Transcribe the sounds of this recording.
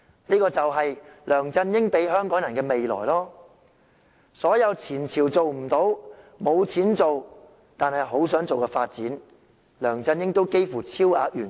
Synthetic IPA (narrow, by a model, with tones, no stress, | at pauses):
niː˥kɔː˧t͡sɐ˨wɦɐ˨jlœː˨˩ŋt͡sɐ˧njɪ˥ŋpe˨˥jɦœː˥ŋkɔː˨˥ŋjɐ˨˩nkɛː˧me˨jlɔ̰ː˨˩jlɔː˥ | sɔː˨˥jɐ˨˧wt͡sʰiː˨˩nt͡sʰiː˨˩wt͡so˨wm̩˨˩t̪o˨˥wmo˨˧wt͡sʰiː˨˥nt͡so˨w | t̪aː˨nɦɐ˨jɦo˨˥wsœː˨˥ŋt͡so˨wkɛː˧faː˧t̚t͡siː˨˥n | lœː˨˩ŋt͡sɐ˧njɪ˥ŋt̪o˥wke˥jfuː˨˩t͡sʰiː˥wa̰ː˧k̚jyː˨˩n